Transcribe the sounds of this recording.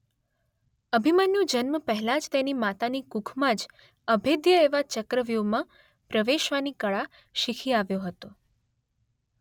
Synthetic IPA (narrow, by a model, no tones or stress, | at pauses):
əbʱimanjũd͡ʒənməpəɦɛlad͡ʒt̪enimat̪anikukʰmãd͡ʒ | əbʱed̪jəeʋat͡ʃəkɾəʋjomã | pɾəʋeʃʋanikəɭa | ʃikʰiaʋjoɦət̪o